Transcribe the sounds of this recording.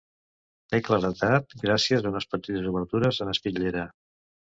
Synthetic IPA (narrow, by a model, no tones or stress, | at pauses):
t̪ekləɾət̪at̪̚ɡɾasiəzaunəspət̪it̪əzuβəɾt̪uɾəzənəspiʎeɾə